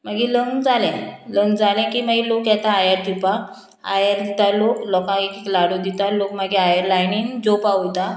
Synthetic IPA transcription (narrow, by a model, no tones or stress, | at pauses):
məɡiləŋd͡zalɛ̃ləŋd͡zalɛ̃kiːmaɡilokjɛt̪aːjəɾʈipa | a̰jəɾd̪it̪aloklɔkãekiklaɽod̪it̪alokməɡiajəɾlajniːnd͡zopaut̪a